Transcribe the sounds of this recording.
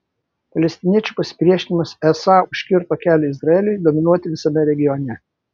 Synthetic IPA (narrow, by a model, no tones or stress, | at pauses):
pɐlʲɛsʲt̪ʲɪnʲiɛt͡ʃʲupɐsʲɪ̥pʲɾʲiɛʃʲɪnʲɪmɐsɛsɑːʊʃʲkʲɪɾt̪oːkʲæːlʲɛɪzɾɐɛlʲʊjd̪oːmʲɪnuɔt̪ʲɪʋʲɪsɐmʲɛɾʲɛɡʲɪjɔnʲɛ